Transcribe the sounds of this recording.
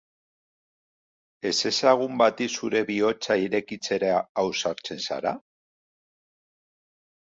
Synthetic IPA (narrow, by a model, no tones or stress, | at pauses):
e̞se̞saɣ̞umbat̪isuɾe̞βio̞t͡saiɾe̞kit͡se̞ɾaaːwsaɾt͡se̞nsa̰ɾa̰